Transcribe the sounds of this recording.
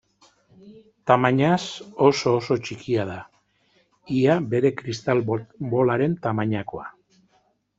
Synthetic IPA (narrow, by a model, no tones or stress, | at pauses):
t̪amaɲaso̞so̞ːso̞t͡ʃikiað̞a | iabe̞ɾe̞kɾist̪albo̞laɾe̞nt̪amaɲako̞a